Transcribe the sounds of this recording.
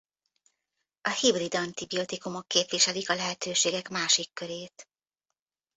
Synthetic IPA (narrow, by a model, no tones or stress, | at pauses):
ɒhibrid̪ɒnt̪ibio̞t̪ikumokːeːpʋiʃɛlikɒlɛɦɛt̪øːʃeːɡɛkmaːʃikːøɾeːt̪